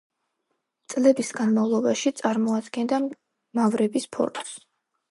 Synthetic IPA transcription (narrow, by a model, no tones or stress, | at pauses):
t̪sʼlɛbisɡanmavlˠɔbaʃit̪sʼaɾmɔad̪ɡɛnd̪a | mavɾɛbispʰɔ̰ɾs